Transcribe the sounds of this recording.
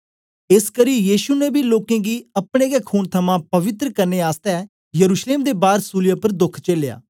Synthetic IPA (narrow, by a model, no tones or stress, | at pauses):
ɪskəɾijiːʃunɛbʱiːloːkẽːɡiːəpɽ̃eːɡɛːkʰuːnt̪ʰəmãːpəʋɪt̪ɾəkəɾneːaːst̪ɛɛ | jəɾuːʃleːmd̪eːbaːɾsuːlɪjaːpəɾd̪ʊkʰt͡ʃeleja̰ː